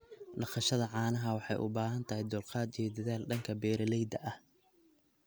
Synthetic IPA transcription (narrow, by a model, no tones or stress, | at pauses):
ɖɑqɑʃɐðɐʕɑːnɐɦɐwɑħɑ̰jʔʊ̰baːɦɐnt̪ʰɐhɪjd̪ʊlqɑːd̪ijɔd̪ɐðaːlɖɐŋkʰɐbɛːɾɐlɛjd̪ɐʔɐh